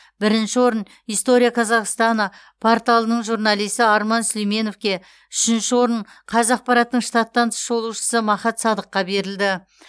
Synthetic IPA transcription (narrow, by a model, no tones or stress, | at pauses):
bɪɾɪnʃɪwo̞ɾən | ijst̪o̞ɾijaqʰɑzɑʁst̪ɑnə | pʰoɾt̪ɑlˠənəɴʒuɾnɑlˠijst̪ɪɑɾmɑnslejme̞no̞fkʲe̞ | ʏʃɪnʃɪwo̞ɾəɴ | qʰɑzɑq̚pɑɾɑt̪əːəɴʃt̪ɑt̪ːɑnt̪ʰʃo̞lˠuʃə̥səmɑχɑt̪sɑd̪əqːɑbe̞ɾɪld̪ɪ